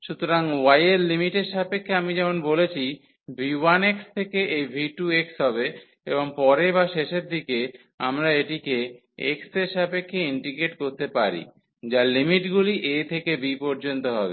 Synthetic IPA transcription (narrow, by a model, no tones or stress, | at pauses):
ʃut̪oɾaŋwajeɾlimiʈeʃapekʰːeamid͡ʑɛmonbolet͡ɕʰi | bʱiwanekst̪ʰekeʔejbʱiʈueksɦɔbe | eboŋpɔɾebaʃeʃeɾd̪ʱike | a̰mɾaeʈike | ḛkseɾʃapekʰːeiɳʈikeʈkoɾt̪epaɾḭ | d͡ʑalimiʈɡuliʔet̪ʰekebipɔɾd͡ʑont̪oɦɔbe